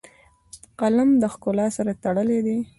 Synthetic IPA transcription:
qalamd̪əxkʊlɑsaɾat̪aɽəled̪i

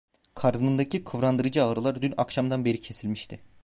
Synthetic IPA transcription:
kʰaɾd̪ɯnɯnd̪acʰikʰɯvɾand̪ɯɾɯd͡ʒɯaːɾɯlˠaɾd̪yna̰kʃamd̪anbe̞ɾicʰe̞silʲmiʃt̪ʰɪ

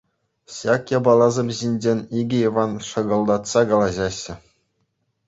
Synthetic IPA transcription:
ɕɑkjɑbɑlˠɑzɤ̆mʲʑinʲd͡ʑenʲiɡʲɘ̆iʋɑnʂɤ̆ɡɤ̆lˠd̪ɑt̪sɑkɑlˠɑʑɑɕːɘ̆

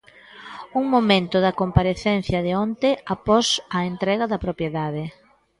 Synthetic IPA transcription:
uŋmomẽnt̪ʊðɐkompaɾeθɛnθjɐðɪont̪eapɔsɐent̪ɾɛɣɐðɐpɾopjeðaðɪ

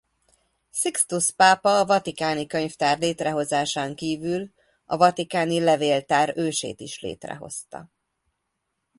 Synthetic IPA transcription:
sikst̪uspaːpɒːvɒt̪ikaːnikø̞ɲft̪aːrleːt̪rɛɦo̞zaːʃaːŋkiːvyl | ɒvɒt̪ikaːnilɛveːlt̪aːɾøːʃḛːt̪iʃlḛːt̪rɛ̰ɦo̞̰st̪ɒ̰

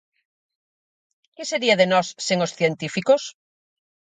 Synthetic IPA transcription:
keseɾiaðenɔsːeŋosθjent̪ifikos

